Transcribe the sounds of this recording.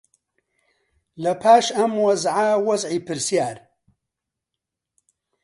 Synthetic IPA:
lɐpʰaːʃɐmwɐzʕawɐzʕiːpɨɾsijaːɾ

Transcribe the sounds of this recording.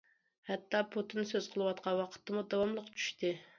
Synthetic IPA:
hɛt̪ːɑpʰut̪ɨnsøz̥qʰəlˠɨwɑt̪̚qʰɑnwɑqʰə̥t̪ːɨmud̪ɑwɑmlˠəqt͡ʃʰy̥ʃt̪ɨ

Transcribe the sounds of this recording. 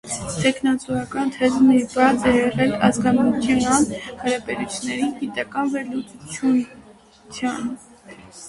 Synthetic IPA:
t̪ʰɛkʰnɑt͡suɑkɑnt̪ʰɛzmivɑt͡sɛɛʁɛlɑ̰zɡɑnut̪ʰjɑnhɑɾɑbɛɾut͡sʰjnɛɾiɡit̪ɑkɑnvɛɾlut͡sut͡ʃʰju | t͡sʰjɑn

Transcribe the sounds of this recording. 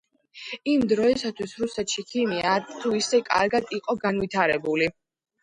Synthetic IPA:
imd̪ɾɔɛsat̪ʰwisɾusɛt̪ʃikʰimiat̪ʰuisɛkʼa̰ɾɡad̪iqʼɔɡanvit̪ʰaɾɛbuli

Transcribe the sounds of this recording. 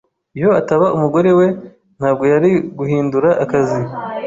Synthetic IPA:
ijo̞ataβaʔumuɡo̞ɾe̞we̞ | n̥haːb̚ɡo̞jaɾiɡuhiːnduɾaʔːkazi

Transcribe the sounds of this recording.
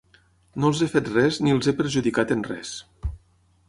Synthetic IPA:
nolˠzefet̪rɛzniəlˠzepəɾʒuðikat̪enrɛ̰s

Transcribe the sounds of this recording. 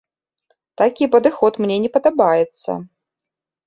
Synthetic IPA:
t̪akʲipɐd̪ɨxɔt̪mnʲɛnʲɛpɐd̪abajɛt̪sːɐ̰

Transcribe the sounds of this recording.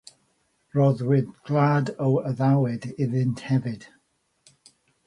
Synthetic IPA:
ɹɔðwɪdɡ̥ladowəðawɪdɪðɪnthɛvɪd̥

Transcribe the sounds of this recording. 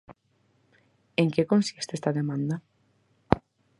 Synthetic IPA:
eŋkekõnsist̪est̪ɐðemãnd̪ɐ

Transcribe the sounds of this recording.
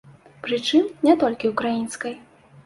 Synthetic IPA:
pɾɨt͡ʂɨmnʲɛt̪ɔlʲkʲiwkɾajinskɐj

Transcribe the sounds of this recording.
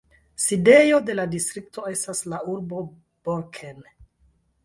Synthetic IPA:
side̞jo̞de̞ladistɾik̚to̞e̞staslauɾbo̞ | b̥oɾkʰen

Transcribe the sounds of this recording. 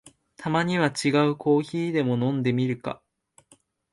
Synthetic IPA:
t̪ʰamaɲ̟iβat͡ɕiɡaɯ̟kʰo̞ːçiːd̪e̞mo̞nõ̞nd̪e̞mʲiɾɯ̟ka̰

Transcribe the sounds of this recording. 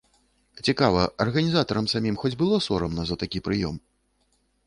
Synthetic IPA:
t͡sʲikavɐʔɐrɣɐnʲizat̪ɐɾɐmsamʲimxɔd͡zʲbɨlˠɔsɔɾɐmnɐzɐt̪akʲipɾɨjɔm

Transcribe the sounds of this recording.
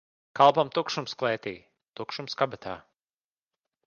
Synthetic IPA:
kalˠpamt̪ukʃumsklˠɛːt̪iː | t̪ukʃumskabɛt̪ʰa̰ː

